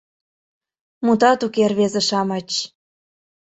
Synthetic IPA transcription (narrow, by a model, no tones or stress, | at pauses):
mut̪ɑt̪ukerβezeʃɑmɑt͡ɕ